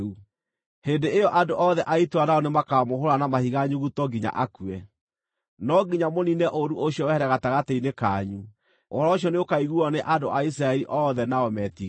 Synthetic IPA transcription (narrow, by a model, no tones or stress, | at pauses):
u | hendeejɔʔadoʔɔðɛʔaitwanaɔnemakamohoɾanamahiɣaɲuɣutɔɡiɲa̰ʔakuɛ | nɔɡiɲamoninɛʔoɾuʔoɕiɔwɛɛɾɛɣataɣateinekaɲu | o̰ɾɔɕjɔneokaiɣuɔneʔadoʔais̬ɾaɛɾiʔɔðɛnaɔmɛti